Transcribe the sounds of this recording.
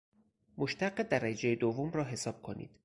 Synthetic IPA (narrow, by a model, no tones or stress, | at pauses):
moʃt̪ʰæɢːed̪æɾæd͡ʒejed̪ovːomrɒːɦe̞sɒːb̥̚kʰo̞nḭːd̪̥